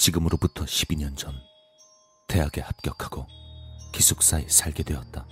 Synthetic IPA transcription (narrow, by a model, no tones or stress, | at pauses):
t͡ɕiɡɯmɯɾoputʰʌɕʰibiɲʌnd͡ʑʌn | te̞ɦaɡe̞hap̚k͈jʌkʰaɡ̥okisʰuk̚s͈aesʰaɭɡedwe̞ʌt̚t͈a